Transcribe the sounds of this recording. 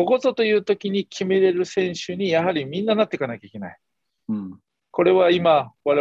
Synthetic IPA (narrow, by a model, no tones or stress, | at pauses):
oɡo̞zot̪o̞jɯ̟ːt̪o̞kʲiɲ̟ikʲʰime̞ɾe̞ɾɯ̟sẽ̞ɰ̃ɕɨɲ̟ijaɦaɾʲimʲĩnːanat̪ːe̞kanakʲaikʲe̞na̰i | ko̞ɾe̞βaimaβaɾe